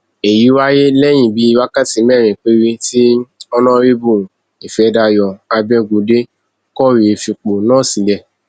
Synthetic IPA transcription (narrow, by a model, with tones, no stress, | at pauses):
e˨ji˨˦wa˦je˦lɛ˦j̃ĩ˦˨bi˨˦i˧˦wa˦ka˦˨ti˨˦mɛ˦˨ɾ̃ĩ˨k͡pe˦ɾe˧ti˦ɔ˧nã˦ɾi˦bũ˦˨ | i˨fɛ˨˦da˧jɔ˧a˧bɛ̃˧ɡo˨˦de˦ | kɔ˦ɾi˨˧fi˧k͡po˨nãː˦˨si˨lɛ˧